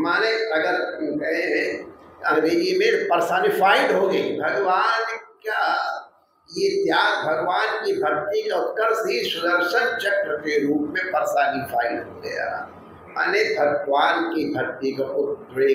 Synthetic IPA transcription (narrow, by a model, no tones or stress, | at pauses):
maːneɐɡəɾõkɐɦeɦɛ̃ɐɾd̪iːkimẽpɐɾsaːnifʰaːɪd̪ɦoɡɐibʱɐɡʋaːnka | jet̪jaːd̪bʱɐɡʋaːnkibʱɐɾt̪ikaʊt̪ːəɾsisʊd̪əɾʃənt͡ʃɐkːəkeɾuːpmẽpɐɾsaːnifʰaːɪɖ̪ɦoɡɐ̰ja̰ː | ma̰nebʱɐɡʋaːnkib̪ʱɐɾt̪ikaʔʊɾeː